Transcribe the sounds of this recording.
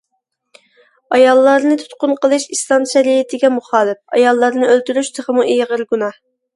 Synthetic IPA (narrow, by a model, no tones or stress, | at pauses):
ɑjɑlˠːɑɾnɨt̪ʰu̥t̪qʊnqʰəlˠɨʃist̪ɑnʃɛɾiɪt̪ʰɪɡʲɛmuχɑːlˠɪp̚ɑ̰jɑlˠːɑɾnɨølt̪yɾyʃt̪ʰəχəmuʔijʁəɾɡunɑh